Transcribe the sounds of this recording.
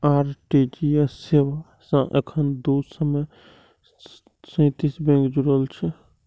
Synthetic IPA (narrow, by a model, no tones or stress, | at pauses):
aːɾʈid͡ʒiesseʋa | sə̃ʔḛkʰənd̪usəmə | sə̃t̪isbẽŋkd͡ʒuɽəlt͡ʃʰɛ